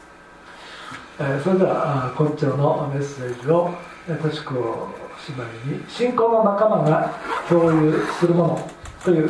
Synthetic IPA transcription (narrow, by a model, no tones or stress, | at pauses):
esoɾe̞d̪e̞βa̰ko̞t͡ɕo̞ːno̞me̞se̞ːd͡ʑio̞ | et̪oɕi̥kɯ̟o̰ɕimaiɲ̟iɕĩŋko̞ːnonakamaŋakʲo̞ːjɯ̟ːsɨɾɯ̟mo̞not̪o̞jɯ̟ː